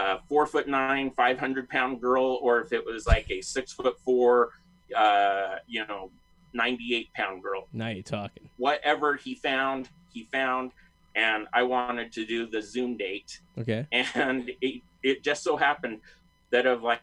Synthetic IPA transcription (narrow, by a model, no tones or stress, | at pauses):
ʌfɔɹfʊtⁿnãɪ̃nfaɪv̥hʌ̃ndɹɨd̚pʰãʊ̃nɡɜ˞lˠə˞ɨfɨʔ̚wʌzlaɪkɨsɪksfʊtfɔɹ | ʌjɨnoʊ | nãɪ̃ntieɪt̚pʰãʊ̃nɡɜ˞lˠnaʊjɨtʰɔkɪ̃ŋwʌɾʔɛvə˞ifãʊ̃nd̥ | ifãʊ̃nd | ʔɨ̃na̰ɪwɑ̃ñɨd̚tʰɨdɨðɨzʉ̃mdeɪt̚okʰeɪɨ̃nɪ | ɪt̚d̥ʒ̥ʌstsoʊɦæpɨ̃n | ðɨɾʌvlaɪ